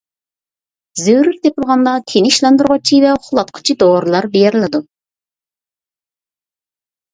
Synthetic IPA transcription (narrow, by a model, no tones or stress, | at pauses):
zywɾyɾt̪ʰepɨlˠʁɑnd̪ɑk̪ʲʰenɪʃlˠɑnd̪uɾʁɑt͡ʃʰivɛχʊlˠɑt̪̚qʰə̥t͡ʃʰid̪oɾɨlˠɑɾbejɛɾlˠɪd̪u